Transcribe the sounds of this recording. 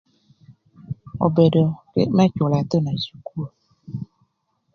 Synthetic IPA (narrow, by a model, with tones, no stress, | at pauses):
ɔ̰˨bɛ˨ɖɔ˨kḛ˦mɛ̃˦t͡ʃo˨la˨t̪ə˦nã˨su˨ku˦a˨